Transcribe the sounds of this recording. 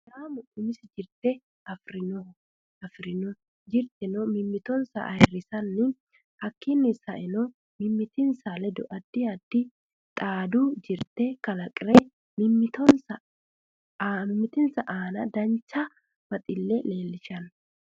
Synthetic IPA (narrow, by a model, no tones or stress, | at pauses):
ɾaːmʊʔʊmɪsd͡ʒɪɾt̪ɛ | ɐfɾɪnɔ | ɐfɾɪnɔ | d͡ʒɪɾt̪ʼɛnɔmɪmːɪt̪ɔnsɐ̰ʔɐjɛrːɪsɐnːɪ | hɐkʰːɪnːɪsɐʔɛnɔ | mɪmːɪt̪ɪnsɐlɛd̪ɔʔɐd̪ːɪɐd̪ːɪ | t̪ʼaːd̪ud͡ʒɪɾt̪ɛkɐlɐkʼɾɛ | mɪmːɪt̪ɔnsɐ | mɪmːɪt̪ɪnsɐʔaːnɐd̪ɐnt͡ʃːɐ | m̥ɐt̪ʼɪlːɛle̞ːlːɪʃɐn